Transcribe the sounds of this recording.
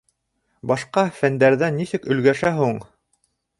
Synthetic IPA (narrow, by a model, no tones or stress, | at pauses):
bɑʃqɑfænd̪æɾðænːisɘkɵ̆lɡæʃæɦuɴ